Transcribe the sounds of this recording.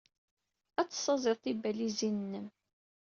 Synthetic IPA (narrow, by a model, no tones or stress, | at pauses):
æt͡sːsˤːɑzˤɪɾˤt̪ibælizinnːəm